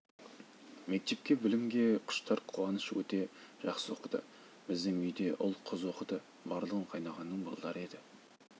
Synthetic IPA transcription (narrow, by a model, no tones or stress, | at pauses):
me̞k̚t̪e̞p̚kʲe̞bɪlɪmɡʲe̞qʰʊ̥ʃt̪ɑɾqʰuwɑnəʃwɵ̰t̪e̞ʒ̥ɑqsəwo̞qəd̪ə̰ | b̥ɪzd̪ɪŋʏjd̪e̞ʔʊlˠqʰʊzwo̞qəd̪ə | bɑɾlˠəʁəɴqʰɑjnɑʁɑnːəɴbɑ̰lˠd̪ɑɾe̞d̪ɪ